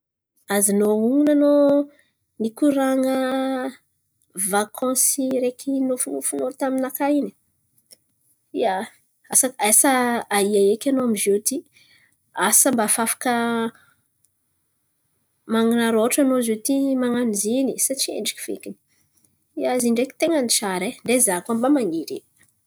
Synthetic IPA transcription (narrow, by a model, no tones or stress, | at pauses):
azinouŋunano | nikuɾaŋə | vakʰɔ̃siɾekʰinofunufunot̪aminakaini̥ | ia | asakajsaaiaekʲanoamizet̪i | asəmbafafḁkə | maŋinaɾoʈ͡ʂanozet̪imaŋanizinisat͡ʃiḛɳɖ͡ʐikʲi̥v̥ḛkʲini̥ | iaziɳɖ͡ʐekʲi̥t̪eŋənit͡ʃaɾeɳd̪ezakambamaŋiɾḭ